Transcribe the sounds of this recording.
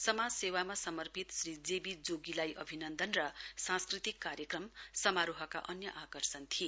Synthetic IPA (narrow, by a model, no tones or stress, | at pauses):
sʌmad͡zsewamasʌmʌrpit̪srid͡zebid͡zoɡilajʔʌbʱinʌnd̪ʌnrʌsãnskrit̪ikːaɾjʌkrʌmsʌmaɾuɦʌka̰ʔʌnjʌʔakʌrsʌnt̪ʰie